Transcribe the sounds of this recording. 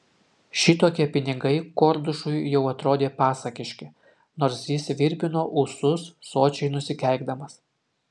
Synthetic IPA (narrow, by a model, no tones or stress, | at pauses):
ʃʲɪt̪oːkʲiɛpʲɪnʲɪɡɐɪkɔːɾd̪ʊʃʊɪjɛʊɐt̪ɾoːd̪ʲeːpɑːsɐkʲɪʃʲkʲɪ | noːɾsjɪsʋʲɪɾʲbʲɪnoːʔʊsʊsːoːt͡ʃʲɛɪnʊsʲɪkʲɛˑlʲɡd̪ɐmɐs